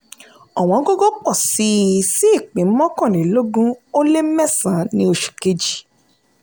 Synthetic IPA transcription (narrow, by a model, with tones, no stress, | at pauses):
a˨w̃ɔ̃˨˦ɡo˦ɡɔ˦k͡pɔ˦˨si˨˦si˦i˦˨k͡pĩ˨˦mɔ̃˦kɔ̃˦˨li˨˦lo˦ɡũ˦o˦le˦mɛ˦˨sã˨˦nĩ˦o˧ʃu̥˨ke˧d͡ʒi̥˦˨